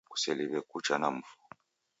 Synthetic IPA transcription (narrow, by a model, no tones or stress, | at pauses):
ku̥sɛliβɛkut͡ʃanam̩fu̥